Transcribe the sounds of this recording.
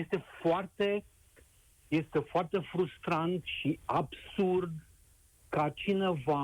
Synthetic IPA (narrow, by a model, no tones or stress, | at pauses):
jest̪e̞foart̪e̞ | je̞st̪e̞foart̪e̞fɾust̪ɾant̪ʃiabsurd̪ | kat͡ʃine̞va